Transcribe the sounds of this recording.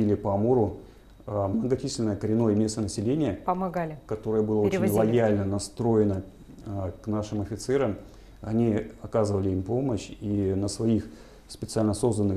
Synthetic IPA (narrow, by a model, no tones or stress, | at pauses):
ilʲɪpəɐmoɾʊ | mnəɡɐt͡ɕisʲlʲɪnəjəkəɾʲɪno̞jəmʲe̞st̪ənəsʲɪlʲenʲɪjəpəmɐɡalʲɪkɐt̪o̞ɾəjəbɨlˠəot͡ɕɪnnʲlˠɐjalʲnənɐst̪ɾo̞jɪnə | knaʂɨmɐfʲɪt̪sɛɾəm | ɐnʲiɐkazɨvəlʲɪimpo̞məɕinəsvɐix | spʲɪt̪sɨalʲnəso̞zd̪ənːɨ